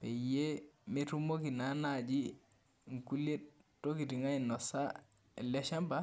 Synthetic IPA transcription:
pɛjemetumokinanad͡ʒi | ŋkulet̚tːokitiŋajnːɔsa | leʃamba

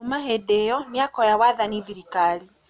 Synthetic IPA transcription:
umaɦɛdɛjɔmjakɔjawaðaniðiɾikali

